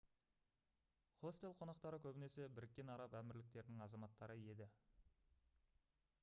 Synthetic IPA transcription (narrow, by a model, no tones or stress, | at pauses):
χo̞st̪e̞lˠqʰo̞nɑqt̪ɑɾəkʲʰɵbɪne̞se̞bɪɾɪk̚ʲːe̞nɑɾɑpæmɪɾlɪk̚t̪e̞ɾɪnɪŋɑzɑmɑt̪ːɑɾəje̞d̪ɪ